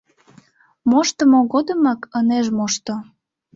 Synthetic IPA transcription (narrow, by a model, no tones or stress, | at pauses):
moʃt̪əmoɣod̪əmɑkəneʒmoʃt̪o